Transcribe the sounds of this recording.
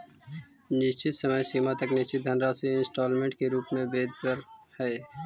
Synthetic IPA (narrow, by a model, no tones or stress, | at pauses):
nɪst͡ʃɪt̪səməjsiːmat̪ɐknɪst͡ʃɪt̪̚d̪ʱənɾaseɪ̃nsʈɔːlmẽɳʈ̚keɾuːpmẽbeːd̪bəɾhɛː